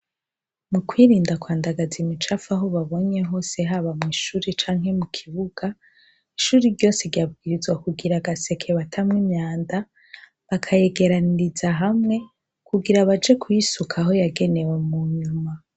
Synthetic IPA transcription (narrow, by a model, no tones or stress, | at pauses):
mukwiːɾiːndakwaːndaɡazimit͡ʃafaɦoβaβo̞ɲe̞ɦo̞se̞ɦaβamŋiːʃuːɾit͡ʃaːŋɦe̞mukʰiβuɡ̥a | iʃuːɾiɾɟo̞se̞ɾɟjab̚ɡiːɾizɡwakuɡiɾaɡase̞kʰeβatʰamŋimɲaːnda | βakʰaje̞ɡe̞ɾaniɾizaɦamŋe̞ | kuɡiɾaβad͡ʒe̞kʰujisukʰaɦo̞jaɡe̞ne̞we̞muɲuma